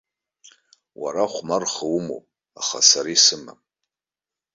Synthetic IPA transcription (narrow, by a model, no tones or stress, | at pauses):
wa̰ɾaχʷmarχawumo̰pʼ | aχa̰saɾisɨma̰